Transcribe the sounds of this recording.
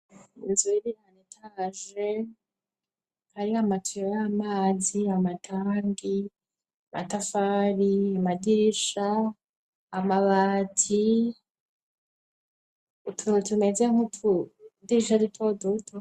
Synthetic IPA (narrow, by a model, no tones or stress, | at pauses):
ḭnzuiɾiɾanetʰaʒe | haɾiamatʰujojamaːziamatʰaːŋɡi | ama̰tafaːɾiamadiɾiʃaː | maβaːtʰi | tʰutumezeŋotʰudiɾiʃadutʰodotʰo